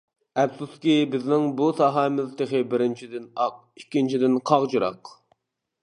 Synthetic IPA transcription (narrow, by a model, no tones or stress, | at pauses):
ɛpsuskʲibɪznɪŋbusɑɦɑːmɪzt̪ʰeχɪbɪɾɪnt͡ʃʰid̪ɪnɑq̚ikʲːint͡ʃʰid̪ɪnqʰɑʁd͡ʒuɾɑ̰q